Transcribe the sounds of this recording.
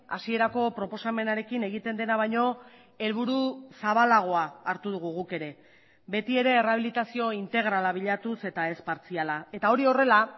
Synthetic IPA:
a̰sie̞ɾako̞pɾo̞po̞same̞naɾe̞kine̞ɣit̪e̞nd̪e̞naβ̞ajɲo̞ | e̞lβuɾusaβ̞alaɣ̞o̞aːɾt̪uð̞uɣuɣuke̞ɾe̞ | be̞t̪ie̞ɾe̞ːraβ̞ilit̪asio̞int̪e̞ɣ̞ɾalaβ̞iʎat̪use̞t̪ae̞spaɾt͡sialae̞t̪ao̞ɾio̞re̞la

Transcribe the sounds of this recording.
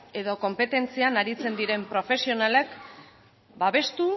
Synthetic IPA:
e̞ðo̞ko̞mpe̞t̪e̞nt͡sianaɾit͡se̞nd̪iɾe̞mpɾo̞fe̞sio̞nale̞k | baβe̞st̪u

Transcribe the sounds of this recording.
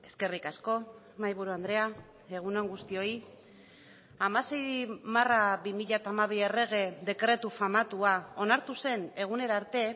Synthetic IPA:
e̞ske̞rikasko̞ | majβuɾuand̪ɾe̞a | e̞ɣ̞unoŋɡust̪io̞i | amase̞jmaraβimiʎat̪amaβ̞iere̞ɣ̞e̞ðe̞kɾe̞t̪ufamat̪uao̞naɾt̪use̞ne̞ɣ̞une̞ɾaːɾt̪e̞

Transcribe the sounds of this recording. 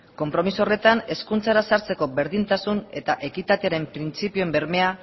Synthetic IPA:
ko̞mpɾo̞misuore̞t̪ane̞skunt͡saɾasaɾt͡se̞ko̞be̞ɾðint̪asune̞t̪aʔe̞kit̪at̪eaɾe̞mpɾint͡sipioembe̞ɾme̞a

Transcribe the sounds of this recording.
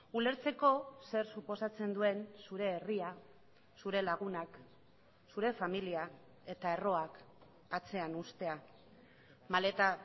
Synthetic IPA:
ule̞ɾt͡se̞ko̞se̞ɾsupo̞sat͡se̞nd̪ue̞nsuɾe̞ːria | suɾe̞laɣ̞unak | suɾe̞familia | e̞t̪ae̞ro̞ak | at͡se̞anust̪e̞a | male̞t̪a

